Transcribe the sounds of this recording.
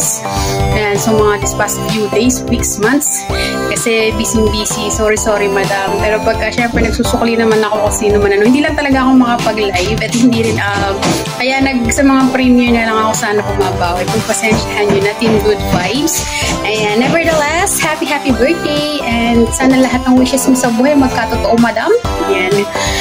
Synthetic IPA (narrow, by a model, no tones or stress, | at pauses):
s | jansomɐŋad̪ɪspasfjud̪ejswiksmant̪s | kɐsɛbiːsɪŋbisisoːɾisoɾimɐd̪ampɛːɾopɐɡ̚kɐʃɛmpɾɛnɐɡ̚suːsʊklinɐmanɐko̞kʊŋsiːnomɐnɐnoɪnd̪iːlɐŋt̪ɐlɐɡaʔɐko̞ŋmɐkapɐɡlajvɐt̪hɪnd̪iːɾɪnʔɐ | kɐjanɐɡ̚sɐmɐŋapɾimiɛnɐlɐŋɐko̞saːnɐpʊmɐbaːwɛk̪ɐŋpɐsɛnt͡ʃt̪hɛnjʊnɐt̪ɪnɡʊd̪̚vajbs | ʔɐjanːɛvɛɹd̪ɐlɛst̪hapiɦapibɛɹk̚ɪjʔɛnd̪saːnɐlɐɦat̪̚nɐŋwiʃɛsmosɐbuːhɐjmɐɡ̚kat̪ot̪oʔomɐd̪amɐjan